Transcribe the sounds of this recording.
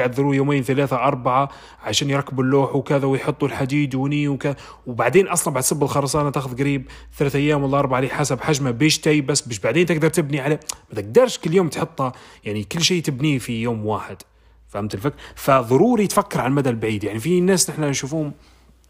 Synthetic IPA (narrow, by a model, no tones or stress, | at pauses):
ʕad̪ðɾujomejːnθælæθaʔɑɾˤbaʕa | ʕaʃæːnjɾˤɑkːəbəlːuːħuwkæðawjħot̪ˤːulħad̪iːd̪wniwkæða | wbaʕd̪enʔɑsˤlɑnbaʕd̪sɑbːətlxɑɾˤɑsˤɑʔnat̪æxʊðɡɾiːb̚ | t̪ælæːθʔæjːæmwælːæʔɑɾˤbaʕaliħasabħaʒmabiʃt̪æjbæsːbæʃbaʕd̪ent̪əɡ̚d̪ɑɾˤt̪əbniʕalæmæt̪əɡ̚d̪ɑɾˤʃkəlːjoːmt̪ħot̪ˤːɑjaʕnikəlːʃiːt̪əbnifijoːmwaħəd̪̥ | famt̪əlfəkːɾfaðˤʊɾuɾit̪fækːɑɾˤʕalmæd̪ælbʕid̪jaʕnifinːæsnəħnænʃufuhʊm